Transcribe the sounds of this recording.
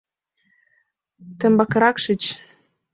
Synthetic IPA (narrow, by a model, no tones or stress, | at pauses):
t̪ɘ̆mbɑkɤɾɑkʃɘ̆t͡ɕ